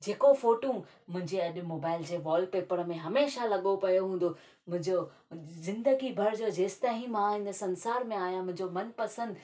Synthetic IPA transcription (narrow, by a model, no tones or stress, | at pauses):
d͡ʑeːkofoːʈõ | mʊ̃ɦɪ̃ɲd͡ʑeɐʄmoːbaːɪld͡ʑeːʋɔːlpeːpəɾmẽɦɐmeːʃalɐɠopɐjoɦũːn̆d̪o | mʊ̃ɦɪ̃ɲd͡ʑo | zɪ̃nd̪əɡibʱɐɾd͡ʑoːd͡ʑeːst̪aɦĩmãɦɪnəsɐ̃nsaːɾmẽaːɦijãmʊ̃ɦɪ̃ɲd͡ʑomɐnpɐsə̃nd̪